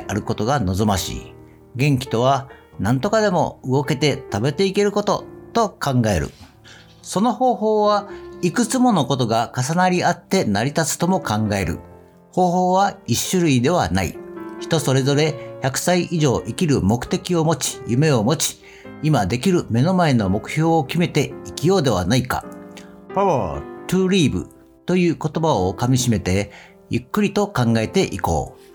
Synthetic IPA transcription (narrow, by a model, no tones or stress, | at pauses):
aɾɯ̟ko̞t̪o̞ɡano̞zomaɕḭː | ɡẽ̞ŋkʲi̥t̪o̞β̞anãnt̪o̞kad̪e̞mo̞̰ɯɡo̞ke̞t̪e̞t̪abe̞t̪e̞ike̞ɾɯ̟ko̞t̪o̞t̪o̞kãŋɡae̞̰ɾɯ̟̰ | so̞no̞ho̞ːho̞ːβaikɯ̟t͡sɨmo̞no̞ko̞t̪o̞ɡakas̬anaɾʲiat̪ːe̞naɾʲit̪at͡sɨ̥t̪o̞mo̞kãŋɡae̞̰ɾɯ̟̰ | ho̞ːho̞ːβaiɕːɨɾɯ̟id̪e̞β̞a̰na̰ḭçi̥t̪o̞so̞ɾe̞zo̞ɾe̞çakɯ̟̥saiʔiʑo̞ːʔikʲiɾɯ̟mo̞kɯ̟̥t̪e̞kʲio̞mo̞t͡ɕi̥jɯme̞o̞mo̞t͡ɕi̥ | imad̪e̞kʲiɾɯ̟me̞no̞mae̞no̞mo̞kɯ̟̥ço̞ːkʲime̞t̪e̞ikʲijo̞ːd̪e̞β̞anaika̰paβat̪ɯːɾʲiːbɯ̟̰ | t̪o̞jɯ̟ːko̞t̪o̞baokamʲiɕime̞t̪e̞ | jɯ̟kːɯ̟ɾʲit̪o̞kãŋɡae̞t̪e̞ʔiko̞̰ː